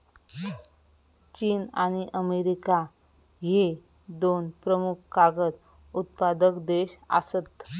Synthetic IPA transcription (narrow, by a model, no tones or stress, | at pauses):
t͡ɕiːnañiʔəmeɾika | ɦe | d̪onpɾəmukʰkaɡət̪ | ut̪pad̪əkd̪eɕa̰sət̪